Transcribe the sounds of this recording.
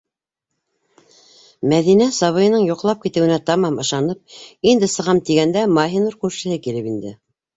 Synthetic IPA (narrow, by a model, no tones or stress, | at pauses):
mæðinæsɑβɤ̆jɤ̆nɤɴjuqlˠɑp̚kit̪ɘ̆wɘ̆næt̪ɑmɑmɤ̆ʃɑnɤp̚ind̪ɘsɤ̆ʁɑmt̪iɡænd̪æmɑɦinuɾkʉɾʃɘ̆hɘkilɘpind̪ɘ